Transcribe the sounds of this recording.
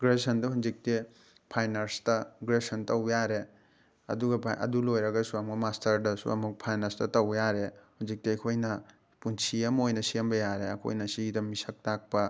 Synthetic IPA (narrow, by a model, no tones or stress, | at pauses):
ɡɾesɐndɐhunzik̚ti | pʰajnɐɾstɐɡɾesɐntɐwjaɾe | ɐ̰duɡɐpʰaʔɐ̰dulojɾɐɡɐsuamɡɐmastʰɐɾdɐsṵɐ̰muk̚pʰajnɐɾstɐtɐwjaɾehunzik̚tiɐjkʰojnɐ | punsiɐmojnɐsiɐmbɐjaɾeɐ̰kʰo̰jnɐsidɐmisɐk̚tak̚pɐ